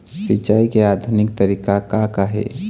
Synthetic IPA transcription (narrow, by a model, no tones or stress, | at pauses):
sɪt͡ʃaːikeaːd̪ʱʊnɪkt̪əɾiːkakakaɦḛː